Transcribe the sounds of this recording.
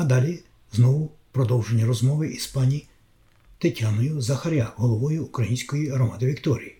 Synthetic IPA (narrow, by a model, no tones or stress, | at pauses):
ɐd̪ɑlʲi | znɔʋʊpɾɔd̪ɔwʒenʲːɐɾɔzmɔʋɪʔispɑnʲi | t̪ɪtʲanɔjʊzɐxɐɾʲaɦɔlˠɔʋɔjʊːkɾɐjinʲsʲkɔjiɦɾɔmɑd̪ɪʋʲikt̪ɔɾʲḭji